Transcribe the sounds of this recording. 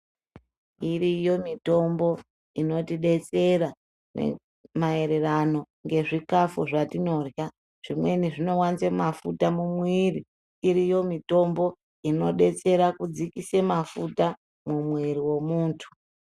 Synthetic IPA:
iɾijo̞mito̞mbo̞ | ino̞tiɗe̞t͡se̞ɾa | nḛ | mae̞ɾe̞rano̞ | ŋɡe̞ʐikafuʐatino̞rja | ʐ̥imwe̞niʐino̞want͡semafutamumwiri | iɾijo̞mito̞mbo̞ | ino̞ɗe̞t͡se̞ɾakud͡zikise̞mafuta | mumwiɾiwe̞muːntʰu̥

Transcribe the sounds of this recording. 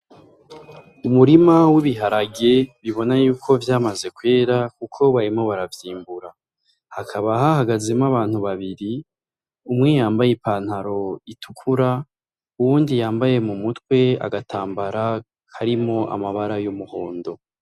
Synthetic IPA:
umuɾimawiβiɦaɾaɡe̞βiβo̞najuːkʰo̞vjaːmaze̞kwe̞ːɾak̚ukʰo̞βaɾimo̞βaɾavjiːmbuɾa | hakʰaβaɦahaɡazemaβaːn̥huβaβiɾi | umŋijaːmbajepaːn̥haɾo̞itʰukʰuɾa | uwuːndijaːmbaje̞mumutwe̞a̰ɡatʰaːmbaɾa | haɾimo̞ʔa̰maβaɾajumuho̞ːndo̞

